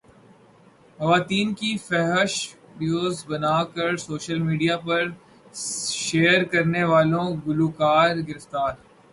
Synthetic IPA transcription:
xɐʋaːt̪iːnkifɛɦɛʃɖjoːzbɐnaːkɐɾsoːʃəlmiːɖijapɐɾ | ʃeːəɾkɐɾneʋaːlõɡʊluːkaːɾɡɪɾɪft̪aːɾ

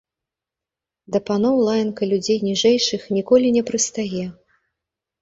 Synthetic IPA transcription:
d̪ɐpanɔwlˠajnkɐlʲud͡zʲejnʲiʐɛjʂɨxnʲikɔlʲinʲɛpɾɨst̪ajɛ

